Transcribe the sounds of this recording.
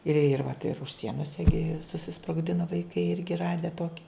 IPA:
ɪr ɪr ʋɐt ɪr ʊʃ ˈsʲiɛnoːs ɪˈɡʲɪ sʊsʲɪsproːɡˈdʲɪnoː ʋɐɪˈkɐɪ ˈɪrʲɡʲɪ ˈrɑːdʲɛ ˈtoːkʲɪ

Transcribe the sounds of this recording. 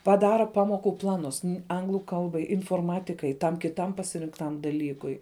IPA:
pɐˈdɑːrɐ ˈpɑːmoːkʊ ˈplˠɑːnʊs ˈɐŋɡlˠʊ ˈkɐlˠbɐɪ ɪnfoːrˈmɑːtʲɪkɐɪ tɐm kʲɪˈtɐm pɐsʲɪrʲɪŋkˈtɐm dɐˈlʲiːkʊɪ

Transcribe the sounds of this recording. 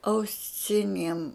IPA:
ɐʊˈsʲɪnʲiɛm

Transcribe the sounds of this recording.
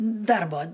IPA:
ˈdɐrboː

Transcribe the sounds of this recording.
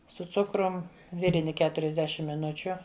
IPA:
sʊ ˈt͡sʊkrʊm ˈʋʲɪrʲɪnʲɪ ˈkʲæːtʊrʲɛzʲˌdʲæːʃʲɪm mʲɪˈnʊt͡ʃʲʊ

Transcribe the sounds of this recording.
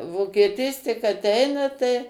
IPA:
ʋoːkʲiɛˈtʲiːs tʲɪk ɐˈtʲɛɪnɐ tɐɪ

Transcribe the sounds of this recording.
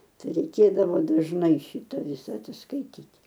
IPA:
ˈtɐɪ rʲɛɪˈkʲeːdɐʋoː dɐʒˈnɐɪ ˈʃʲiːtɐ ˈʋʲɪsɐ ɐtʲsʲɪskɐɪˈtʲiːtʲ

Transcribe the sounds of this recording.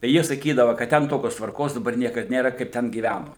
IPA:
tɐɪ ˈjiɛ sɐˈkʲiːdɐʋɐ kɐt ˈtʲɛn ˈtoːkʲoːs tʋɐrˈkoːs dɐˈbɐr ˈnʲiɛkɐt ˈnʲeːrɐ kɐɪp ˈtʲɛn ɡʲiːˈʋʲænʊ

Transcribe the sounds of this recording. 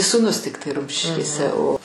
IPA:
suːˈnʊs ˈtʲɪktɐɪ ˈrʊmʲʃʲɪʃʲkʲeːsʲɛ oː

